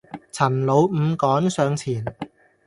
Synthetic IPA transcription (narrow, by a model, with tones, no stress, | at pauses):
t͡sʰɐ˨˩nlo˨˧wm̩˨˧kɔː˨˥nsœː˨˧ŋt͡sʰiː˨˩n